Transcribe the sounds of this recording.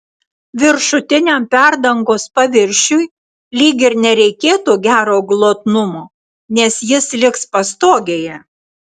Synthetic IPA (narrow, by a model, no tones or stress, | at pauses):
ʋʲɪɾʃʊt̪ʲɪnʲɛmpʲæɾd̪ɐŋɡoːspɐʋʲɪɾʲʃʲʊj | lʲiːɡʲɪɾnʲɛɾʲɛɪkʲeːt̪uːɡʲæːɾoːɡlˠoːt̪nʊmoː | nʲɛsjɪslʲɪkspɐst̪oːɡʲeːjɛ